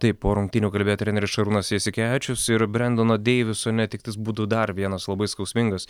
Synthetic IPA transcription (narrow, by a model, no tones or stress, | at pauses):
t̪ɐɪpːoːɾʊŋkt̪ʲɪnʲuːkɐlʲbʲeːjot̪ɾʲɛnɛɾʲɪsʃɐɾuːnosɛsʲɪkʲæːt͡ʃʲʊsɪɾbʲɾʲɛnd̪onoːd̪ʲeːʋʲɪsoːnʲɛt̪ʲɪkt̪ɐɪsbuːd̪ʊd̪ɐɾʋʲiɛnɐslˠɐbɐɪskɐʊsʲmʲɪŋɡɐs